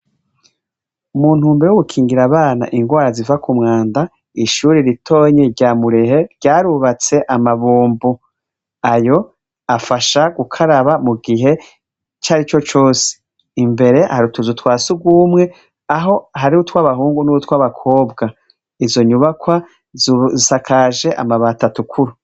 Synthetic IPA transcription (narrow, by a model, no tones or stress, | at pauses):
umuːn̥huːmbejoɡukʰiːŋɡiɾaβaːna̰ʔiŋɡwaːɾazivakumŋaːnda | iʃuːɾiɾitʰo̞ːɲeɾɟaːmuɾe̞ɦe̞ɾɟaːɾuβat͡se̞ʔamaβuːmbu | ajo̞ | afaʃaɡukʰaɾaβamuɡiɦe̞ | t͡ʃaːɾit͡ʃo̞t͡ʃo̞ːsi̥ | imbe̞ɾe̞haɾutuzutwaːsuɡwuːmŋe̞ | aɦo̞ɦaɾiutwaβaɦuːŋɡunuutwaβakʰo̞ːbɡa | izo̞ɲuβakwa | zisakʰaːʒe̞ʔa̰maβatatukʰuɾu